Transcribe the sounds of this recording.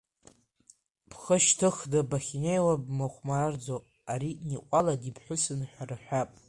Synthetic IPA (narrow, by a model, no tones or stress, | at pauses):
pʰχəʃtʰɨχdɨbaχʲinejwabmaχʷmard͡zo | aɾiniqʷʼaladipʰħʷʊsɨnħʷarɨħʷᶣapʼ